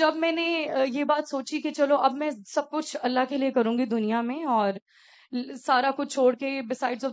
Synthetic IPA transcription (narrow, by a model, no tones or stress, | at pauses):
d͡ʒɐbmɛ̃ːnejeːbaːt̪soːt͡ʃiket͡ʃɐloʔɐbmɛ̃sɐb̚kʊt͡ʃʰɐlːaɦkeliekɐɾũːŋɡid̪ʊnijamẽɔːɾ | saːɾakʊt͡ʃʰt͡ʃʰoːɽkebɪsaːɪɖzɔː